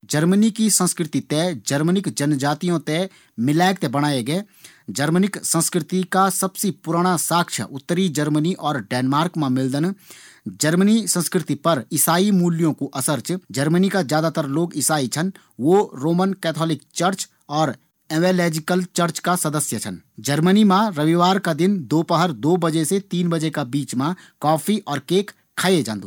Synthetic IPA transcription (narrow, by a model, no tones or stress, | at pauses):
d͡ʒəɾmnikisə̃nskɾɪt̪it̪ed͡ʒəɾmənɪkd͡ʒənd͡ʒaːt̪ijõt̪ẽ | mɪlaːɪk̚t̪ebɐɽ̃aːeɡəeː | d͡ʒəɾmənɪksə̃nskɾɪt̪ikasɐbsipʊɾaːɽ̃asaːkʃʰə̰ʔʊt̪ːəɾid͡ʒəɾməniʔɔːɾɖɛːnmaːɾkmãmɪld̪ən | d͡ʒəɾmənisə̃nskɾɪt̪ipɐɾɪsaːimuːljõkoʔɐsəɾt͡ʃd͡ʒəɾmənikazjaːd̪at̪əɾloːɡɪsaːit͡ʃʰən | ʋoɾoːmənkɛːt̪ʰɔːlɪk̚t͡ʃəɾt͡ʃ | ɔːɾ | ɛʋeːlɛːd͡ʒɪkəlt͡ʃəɾt͡ʃkasɐd̪əsjət͡ʃʰə̰n | d͡ʒəɾmənimãɾəʋiʋaːɾkad̪ɪnd̪oːpəɦəɾd̪oːbəd͡ʒeset̪iːnbəd͡ʒekabiːt͡ʃmãkɔːpʰiʔɔːɾkeːkʰː | aːed͡ʒãːnd̪oː